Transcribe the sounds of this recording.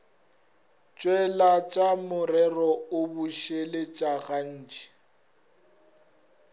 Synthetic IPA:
t͡ʃʼwɛlat͡ʃʼamʊrɛrɔʊbuʃelɪt͡ʃʼaɣan̩ːt͡ʃʼi̥

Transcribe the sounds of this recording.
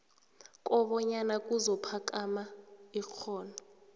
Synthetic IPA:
k̬ʼɔɓɔɲanak̬ʼuzɔpʰak̬ʼamaik͡xʰɔːna

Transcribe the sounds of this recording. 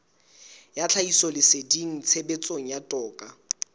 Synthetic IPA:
jat͡ɬʰaisɔlɪsediŋ̩t͡sʰebet͡sʼoŋ̩jatʼɔːkʼa

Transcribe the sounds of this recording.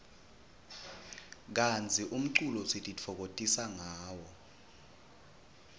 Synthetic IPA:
k̬ant͡sʰʼiʔum̩ǀulɔsitʼit͡fʰɔk̬otʼisaŋaːwɔ

